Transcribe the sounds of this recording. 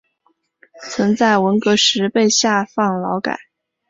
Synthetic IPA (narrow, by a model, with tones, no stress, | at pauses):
t͡sʰwə˧˥nt͡sa˥˩ɪwə˧˥nkɤ˧˥ʂɻ̩˧˥pe˥˧ɪɕja˥˧fɑ˥˩ŋlɑ˧˥ʊka̰˨˩˦